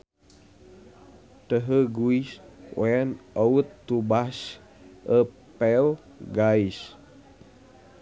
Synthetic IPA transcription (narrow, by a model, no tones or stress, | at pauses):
t̪əɦəɡuiswɛnɔut̪ːubas | ʔə | pɛl | ɡais